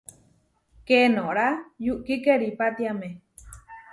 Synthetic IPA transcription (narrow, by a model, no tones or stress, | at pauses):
kenoʔɾajuʔkikeɾipat̪iame